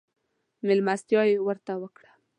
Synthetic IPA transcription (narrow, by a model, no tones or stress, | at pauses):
mɪlmast̪jɑjewəɾt̪awəkɽḁ